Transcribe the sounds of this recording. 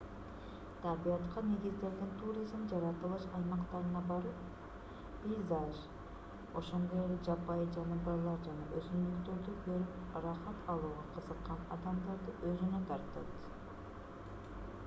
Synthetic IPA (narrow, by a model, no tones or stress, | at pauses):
t̪ʰæɾbijɑt̪qɑne̞ɡizd̪e̞ɾɡ̪ent̪ʰuɾʲizmd͡ʒɑɾɑt̪ɯlˠɯʃɑjmɑqt̪ɑɾɯnɑbɑɾɯp | pʲijzaʒ | o̞ʃo̞nd̪o̞jeled͡ʒɑpɑjd͡ʒɑnubɑlˠɑɾd͡ʒɑnɑʔøzynd̪ykt̪øɾd̪ukʰøɾyp | rɑχɑt̪ɑlˠuːʁɑqʰɯzɯqːɑnɑ̰d̪ɑmd̪ɑɾd̪ɯʔøzynøt̪ʰɑɾt̪ɯ̰d̪